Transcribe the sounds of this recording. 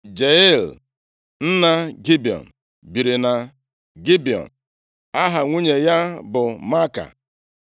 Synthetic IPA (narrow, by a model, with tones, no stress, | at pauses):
d͡ʒe˨ɪ˦l | n̩˦na˦ɡi˦bi˨ɔ̰˨n̩˨ | bi˨ɾi˨na˨ | ɡi˦bi˨ɔ̰˨n̩ | a˦ɦa˨ŋʷu˦ɲe˨ja˦bʊ˨ma˦ka̰˨